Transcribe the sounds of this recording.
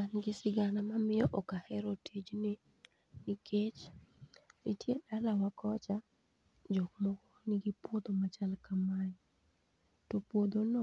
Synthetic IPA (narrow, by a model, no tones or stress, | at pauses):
kanɡɪsɪɡanamamɪjɔʔɔkahɛɾotʰid͡ʒnɪ | nɪket͡ʃ | nɪ̰tjedalawakʰɔt͡ʃa | d͡ʒɔkmɔkɔnɪɡipwod̪omat͡ʃalkamaɲ | tɔpwod̪onɔ